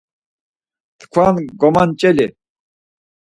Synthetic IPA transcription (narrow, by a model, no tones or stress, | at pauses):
t̪kʰwanɡɔmant͡ʃʼɛli